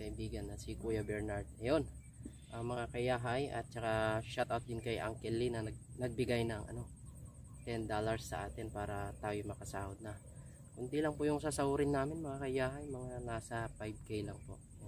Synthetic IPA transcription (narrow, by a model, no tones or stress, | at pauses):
kɐʔɪbiːɡɐnːɐsɪkuːjɐbɛɹnaɹd̪̚nɐjo̞n | ʔɐŋmɐŋakɐjaːɦajʔɐ̰t̪̚t͡ʃɐkaʃat̪awt̪̚d̪ɪnkɐjʔɐ̰ŋkɛlinɐnɐɡ̚nɐɡ̚bɪɡajnɐŋʔɐ̰no̞ | t̪ɛnd̪olɐɹsːɐ̰ʔaːt̪ɪnpaːɾɐt̪aːjomɐkɐsaːʔod̪̚nɐ | kʊnd̪ilɐŋpʊʔjʊŋsasɐuɾɪnːaːmɪnmɐŋakɐjaːɦɐjmɐŋanaːsɐpajb̚kejlɐŋpo̞̰ʔ